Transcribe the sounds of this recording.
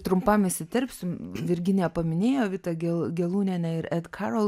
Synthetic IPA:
t̪ɾʊmpɐmɪsʲɪt̪ʲɛɾʲpʲsʲɪmʋʲɪɾʲɡʲɪnʲeːpɐmʲɪnʲeːjoːʋʲɪt̪ɐɡʲɛlˠɡʲɛlˠuːnʲɛːnʲɛɪɾɛt̪kʰɑɾolˠ

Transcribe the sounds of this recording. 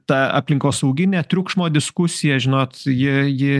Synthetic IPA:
t̪ɐɐ̰pʲlʲɪŋkoːsɐʊɡʲɪnʲæt̪ʲɾʲʊkʃmoːd̪ʲɪskʊsʲɪjɛʒʲɪnoːt̪jɪjɪ

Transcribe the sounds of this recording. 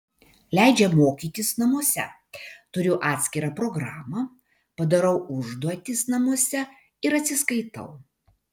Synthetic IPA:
lʲæˑɪd͡ʒʲɛmoːkʲiːt̪ʲɪsnɐmuɔsʲɛ̰ | t̪ʊɾʲʊʔɑːt̪ʲsʲkʲɪɾɑːpɾɔɡɾɑːmɐ | pɐd̪ɐɾɐʊʊʒd̪uɔt̪ʲɪsnɐmuɔsʲɛ | ɪɾɐt̪ʲsʲɪskɐɪt̪ɐ̰ʊ

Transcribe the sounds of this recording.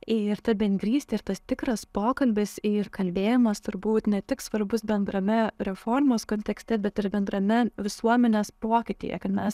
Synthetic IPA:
ɪɾt̪ʲɐbʲɛnʲɡɾʲiːsʲt̪ʲɪɪɾt̪ɐst̪ʲɪkɾɐspoːkɐlʲbʲɪsɪrkɐlʲbʲeːjɪmɐst̪ʊɾbuːt̪nʲɛt̪ʲɪksʋɐɾbʊsbʲɛnd̪ɾɐmʲɛɾʲɛfoːrmoːskoːnʲt̪ʲɛksʲt̪ʲɛbʲɛt̪ɪɾbʲɛnd̪ɾɐmʲɛʋʲɪsuɔmʲɛnʲeːspoːkʲɪt̪ʲɪ̰ːjɛ̰kɐt̪mʲɛs

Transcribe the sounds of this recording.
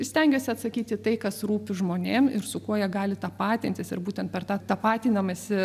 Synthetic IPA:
sʲt̪ʲɛŋʲɡʲoːsʲɪɐt̪sɐkʲiːt̪ʲɪt̪ɐɪkɐsruːpʲɪʒmoːnʲeːmɪɾsʊkuɔjɛɡɑːlʲɪt̪ɑːpɑːt̪ʲɪnʲt̪ʲɪsɪ̰ɾbuːt̪ʲɛnt̪̚pʲɛrt̪ɑːt̪ɑpɑːt̪ʲiːnɐmɐsʲɪ

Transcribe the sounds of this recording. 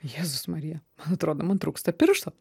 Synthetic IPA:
jeːzʊsmɐɾʲijɛmɐnɐt̪ɾoːd̪oːmɐnt̪ɾuːkst̪ɐpʲɪɾʃt̪o

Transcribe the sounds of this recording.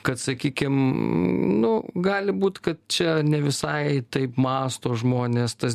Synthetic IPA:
kɐt̪sɐkʲiːkʲɪm | nʊɡɑːlʲɪbuːt̪kɐt̪̚t͡ʃʲɛnʲɛʋʲɪsɐɪt̪ɐɪpmɑːst̪oːʒmoːnʲeːst̪ɐs

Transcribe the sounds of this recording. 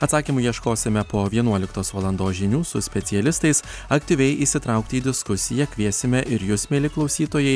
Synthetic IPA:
ɐt̪sɑːkʲiːmʊjiɛʃkoːsʲɪmʲɛpoːʋʲiɛnuɔlʲɪkt̪oːsʋɐlˠɐnd̪oːsʒʲɪnʲuːsʊsʲpʲɛt̪sʲɪɛlʲɪst̪ɐɪs | ɐkt̪ʲiːʋʲɛɪʔiːsʲɪt̪ɾɑˑʊkt̪ʲɪiːd̪ʲɪskʊsʲɪjɛkʲʋʲiɛsʲɪmʲɛʔɪɾjʊːsmʲeːlʲɪklˠɒʊsʲiːt̪oːjɛɪ

